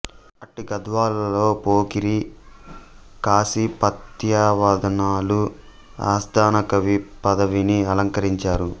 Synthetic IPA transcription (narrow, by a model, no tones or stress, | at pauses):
ɐʈːiɡɐd̪ʋaːlɐlo̞ːpoːkiɾi | kaːsipɐt̪jaːʋaːd̪ɐnaːlu | a̰ːsd̪aːnɐkɐʋipɐd̪ɐʋiniɐlɐŋkɐɾiɲt͡ʃaːɾu